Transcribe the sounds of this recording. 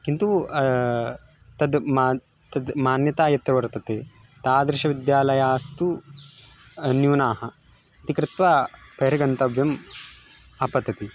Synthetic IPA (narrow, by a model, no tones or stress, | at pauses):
kint̪u | t̪ɐd̪mː | t̪ɐd̪maːnjɐt̪aːjɐt̪ɾɐʋɐɾt̪ɐt̪eː | t̪aːd̪ɾɪʃɐʋid̪jaːlɐjaːst̪u | njuːnaːɦɐ | ɐt̪ikɾɪt̪ʋaːpeːɾɐɡɐnt̪ɐbjɐm | ɐpɐd̪ɐt̪i